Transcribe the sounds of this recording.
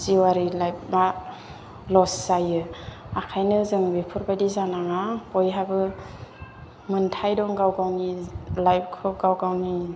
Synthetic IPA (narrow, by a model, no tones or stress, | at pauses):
z̥iwaɾilajp̚ma | lɔsːajɯakʰajnɯzɯŋbepʰɯɾbadizanaŋabɔjɦabɯ | mɯntʰajdɔŋɡawɡawnilajp̚kʰɔɡawɡawni